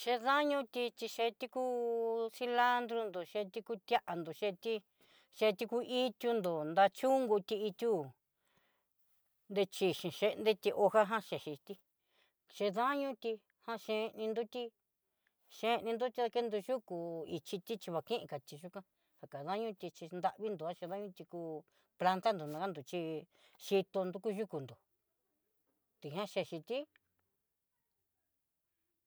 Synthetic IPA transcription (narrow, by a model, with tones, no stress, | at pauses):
ʃe˧ðã˦ɲũ˧t̪i˧t͡ʃ̪i˧ʃe˧t̪i˦ku˦si˧la˦nd̪ɾu˧nd̪o˨ʃe˧t̪i˧ku˦t̪ja˦ʔa˧nd̪o˨ʃe˧t̪i˦ | ʃe˧t̪i˧ku˧ʔi˦t̪ʲju˧nd̪o˨nd̪a˧t͡ʃu˦ŋɡu˧t̪i˧i˧t̪ʲu˦ | nd̪e˧t͡ʃi˧ʃĩ˨ʃe˧nd̪e˦t̪i˧ʔo˧ha˦ɦã˦ʃe˨ʃi˧t̪i˦ | ʃe˧ða˦ɲũ˦t̪i˧ | hã˧ʃẽ˧nĩ˧nd̪u˦t̪i˦ | ʃẽ˧˦˧nĩ˧nd̪u˦t̪i˧˦ða˧ke˦nd̪u˧ʒu˦ku˧i˧t͡ʃi˧t̪i˦t͡ʃi˧βa˨kĩ˦ʔĩ˧ka˨t͡ʃ̪i˧ʒu˦kʷã˦ | ha˨ka˨ðã˦ɲũ˦t̪i˧t͡ʃi˧nd̪a˧ʔβi˦nd̪u˧˨a˦ʃẽ˧ðã˦ɲũ˦t̪i˧ku˧ | pla˧nt̪a˦nd̪u˨nã˧ka˦nd̪u˨t͡ʃi˧ | ʃi˧t̪o˧nd̪u˧ku˦ʒu˦ku˨nd̪o˨ | t̪i˨ɦã˦ʃe˧˨ʃi˧t̪i˦